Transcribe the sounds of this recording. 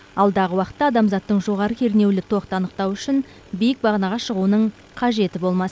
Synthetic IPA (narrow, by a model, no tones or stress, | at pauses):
ɑlˠd̪ɑʁəwɑqə̥t̪ːɑd̪ɑmzɑt̪ːəɴʒo̞ʁɑɾəkʲʰe̞ɾne̞wlɪt̪ʰo̞qt̪əɑnəqt̪ɑwʏʃɪn | bijɪk̚bɑʁənɑʁɑʃəʁunəɴ | qʰɑʒe̞t̪ɪbo̞lˠmɑsə